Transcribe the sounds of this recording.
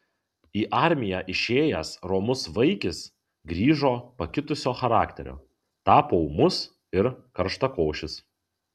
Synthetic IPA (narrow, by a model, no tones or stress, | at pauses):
iːʔɑˑɾʲmʲɪjæːʔɪʃʲeːjɛsɾɔːmʊsʋɐɪkʲɪs | ɡɾʲiːʒoːpɐkʲɪt̪ʊsʲoːxɐɾɑːkt̪ʲɛ̰ɾʲo̰ː | t̪ɑːpoʊmʊs | ɪɾkɐɾʃt̪ɐkoːʃʲɪs